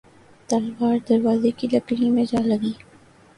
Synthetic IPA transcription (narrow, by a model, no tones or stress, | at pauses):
t̪ɐlwaːɾd̪ɐɾʋaːzekilɐkɽimẽd͡ʒaːləɡiː